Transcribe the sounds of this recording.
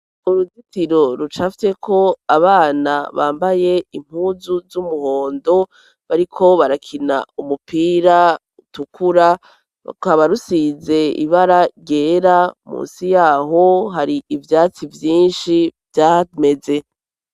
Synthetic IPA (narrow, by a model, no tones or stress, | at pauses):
uɾuzitiɾo̞ɾut͡ʃafi̥te̞kʰo̞aβaːnaβa̰ːmbaje̞im̥huːzuzumuho̞ːndo̞ | βaɾikʰo̞βaɾakʰina̰umupiːɾa | utukʰuɾa | kaβaɾusize̞ḭβaɾaɟe̞ːɾamṵːnsijaːɦo̞ɦaɾiivjaːt͡sivjiːnʃivjaːme̞ze̞